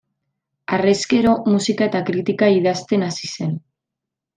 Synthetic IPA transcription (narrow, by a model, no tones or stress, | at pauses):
areske̞ɾo̞musikaet̪akɾit̪ikaiðast̪e̞nasise̞n